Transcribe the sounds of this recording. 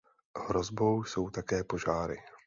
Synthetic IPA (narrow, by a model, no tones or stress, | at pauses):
hɾo̞zbo̞wso̞wt̪akɛːpo̞ʒaːɾɪ̰